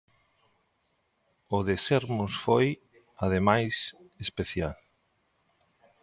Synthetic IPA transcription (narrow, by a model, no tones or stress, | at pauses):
ʊðeseɾmʊsfoj | aðemajsespeθjal